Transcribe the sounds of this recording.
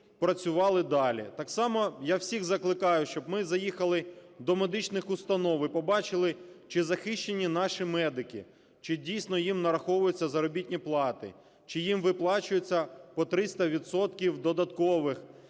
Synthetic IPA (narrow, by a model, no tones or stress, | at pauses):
pɾɐt͡sʲʊʋɑlˠɪd̪ɑlʲḭt̪ɑksɑmɔjawsʲiɣzɐklˠɪkɑjʊʃt͡ʃɔb̚mɪzɐjixɐlˠɪd̪ɔmed̪ɪt͡ʃnɪxʊst̪ɐnɔʋipɔbɑt͡ʃɪlˠɪt͡ʃɪzɐxɪʃt͡ʃenʲːinɑʃimɛd̪ɪkʲḭ | t͡ʃɪdʲijsnɔjimnɐɾɐxɔʋʊjʊt͡sʲːɐzɐɾɔbʲitʲnʲiplˠɑt̪ɪ̰ | t͡ʃɪjimʋɪplˠɑt͡ʃʊjʊt͡sʲːɐpɔt̪ɾɪst̪ɐʋʲit̪sɔt̪kʲiwd̪ɔd̪ɐt̪kɔʋɪx